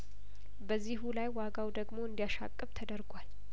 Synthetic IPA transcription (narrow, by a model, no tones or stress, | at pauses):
bəzːiɦulajwaɡawd̪əɡmo̞ɨnd̪ijaʃa̰kʼːɨbt̪ʰəd̪əɾɡwal